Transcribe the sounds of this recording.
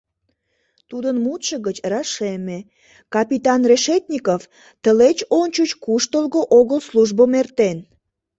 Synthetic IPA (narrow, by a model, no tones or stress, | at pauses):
t̪ud̪ənmut̪ʃəɣət͡ɕrɑʃeme | kɑpit̪ɑnreʃet̪ʲnʲikof | t̪əlet͡ɕont͡ɕut͡ɕkuʃt̪əlɣoʔoɣəlsluʒbomert̪en